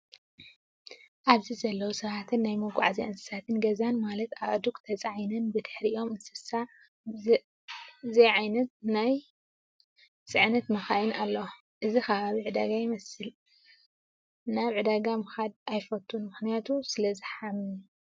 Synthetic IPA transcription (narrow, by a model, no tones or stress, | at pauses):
ʔaβzizɐlːɐwusɐβat̪ʰɨnːajmɐɡʷʼa̰ʕaziʔɨnsɨ̥sat̪ʰɨnɡɐzanmalɐt̪aβʕɨd̪ukt̪ʰɐt͡sʼʕajnɐnbɨt̪ʰɨ̥ħɾiʔo̞mɨsɨsa | zejʕajnɐt̪̚naj | t͡sʼɨʕnɐt̪mɐxajinalːɐw | ʔɨzixɐβaβiʕɨd̪aɡajɪmɐsɨl | naβʕɨd̪aɡamɨxad̪̚ajfɐt̪ʰʼːunmɨxnijat̪ʰusɨlɐzɨħami